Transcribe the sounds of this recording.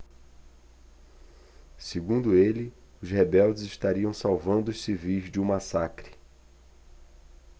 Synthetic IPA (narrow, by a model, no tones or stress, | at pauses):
seɡũnd̪ʊelɪ | ʊshebɛwd͡ʒɪzɪʃt̪aɾiɐ̃w̃sawvɐ̃nd̪ʊːʃsivijzd͡ʒũmasakɾɪ